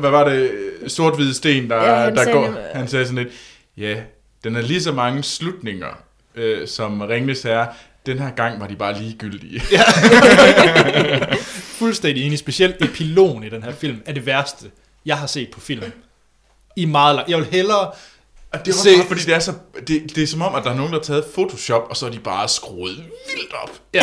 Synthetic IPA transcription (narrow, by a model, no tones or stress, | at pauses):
ʋæʋɑ̈ɾe̝so̝ɐd̥ʋið̞̩ˠəsd̥e̝̰ːnd̥ɑ̈d̥ɑ̈ɡ̥ɒ̰ːhænsɛːsɒnle̝d̥ | jæ | d̥enæɐlis̬ɒ̽mɑ̈ŋəslud̥ne̝ŋɐ | øsɒ̽mʁeŋnəshæɐ | d̥enɦæɐ̰ɡ̥ɑ̈ŋ̰ʋɑ̈d̥ib̥ɑ̈ːliːɡ̥yl̰d̥iəjæ | fulsd̥en̰d̥ienisb̥e̝sɕiel̰d̥e̝pʰilo̝̰ːnid̥enɦæɐ̰fil̰mæɐd̥e̝ʋæɐsd̥ə | jɑ̈ɪɦɑ̈se̝̰ːd̥̚pʰɒ̽fil̰m | imɑ̈ːð̞̩ˠlɑ̈ŋjɑɪʋelɦelɐ | d̥e̝se̝̰ːfɒ̽d̥ḭːd̥eæɐsɒ̽d̥e̝d̥e̝sɒ̽mɒ̽m̰ʔæd̥ɑ̈æɑɐno̝ːŋn̩d̥ɑt͡sʰɛːð̞̩ˠfo̝t͡sʰo̝ɕɒ̽b̥ɒ̽sɒ̽ædib̥ɑ̈ːsɡ̥ʁoːð̩ˠʋil̰d̥ɒ̽b̥jæ